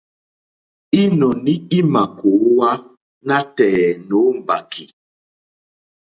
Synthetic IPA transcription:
i˦nɔ˨ni˦i˦ma˨ko˨˦wa˦ | na˦tɛ˨no˨˦m̩˨ba˨kʰi˨

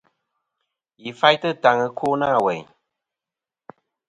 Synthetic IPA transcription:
ji˨fa˦jtɨ˦ta˨ŋɨ˧kʰoː˦naː˦˨wɛ̰˨ɲ

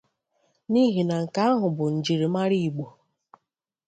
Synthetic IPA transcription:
ni˦ɦi˨na˨ŋ̩˨ka˦a˦ɦʊ˨bʊ˨n̩˨d͡ʒi˨ɾi˨ma˦ɾi˦i˨ɡ͡bo˨

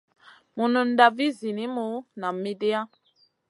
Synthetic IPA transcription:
mu˨nu˨n̩˦da˨vi˦zi˨nĩ˦mu˦na˨mi˦di˦a˦

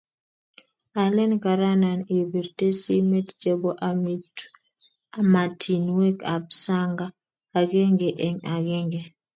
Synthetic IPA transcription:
a˨lɛ˦nka˨ɾa˦na˨ni˨bi˨ɾte˦si˦mɛ˦td͡ʒe˦bo˦ʔa˨mi˦t | a˨ma˨tʰi˨nwe˦ka˨bsa˦ŋɡaː˦˨ | ɡe˦ŋɡɛ˨ʔɛ˨ŋa˨ɡɛ˦ŋɡe˨

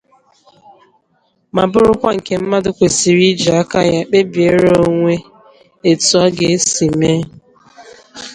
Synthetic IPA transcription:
ma˨bʊ˦ɾʊ˦kʷa˦ŋ̩˨ke˨m̩˦ma˦dʊ˦kʷe˨si˨ɾi˦d͡ʒi˨a˦ka˦ja˦k͡pe˦bi˨e˦ɾo˦ŋʷe˦ | e˨tu˨˦ɔ˦ɡe˨˦si˨me˦

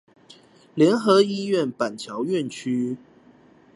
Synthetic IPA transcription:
ljɛ˨˧˥nxɤ˨˦i˦ɥɛ˥˨npa˨˩nt͡ɕʰjɑ˨˦ʊɥɛ˥˨nt͡ɕʰy˦˥

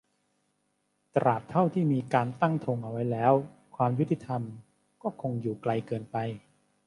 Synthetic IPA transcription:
t̪ɾaː˨˩p̚t̪ʰa˥˩wt̪ʰiː˥˩miː˧kaː˧nt̪a˥˩ŋt̪ʰo˧ŋʔa˧wa˦˥jlɛː˦˥wkʰwaː˧mju˦˥t̪ʰːi˧˩t̪ʰa˧m | kɔː˥˩kʰo˧ŋjuː˨˩kla˧jkɤː˧npa˧j

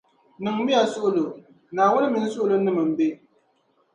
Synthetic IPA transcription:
nɨ˨ŋmi˦ja˨sʊ˦ʔʊ˦lo˨ | naː˨wʊ˦nɨ˦mi˨n˦sʊ˦ʔʊ˦lo˦nɨ˦mɨ˨m̩˨be˦

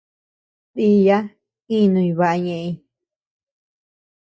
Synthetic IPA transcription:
ti˧ja˦ | ĩ˦˧nũ˧ĩ˧βa˧ʔa˧ɲẽ˧ʔi˧

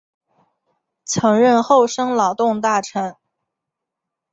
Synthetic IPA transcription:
t͡sʰɤ˧˥ŋɻə˥˧nxo˥˩ʊʂɤ˥ŋlɑ˨˩ʊt̪ʊ˥˧ŋt̪a˥˩ʈ͡ʂʰɤ˧˥ŋ

